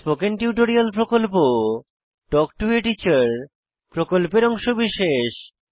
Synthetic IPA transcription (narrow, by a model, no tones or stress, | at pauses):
pokenʈiuʈ̬oɾialpɾokolpo | ʈɔk̚ʈueʈit͡ɕaɾ | pɾokolpeɾɔŋʃobiʃeʃ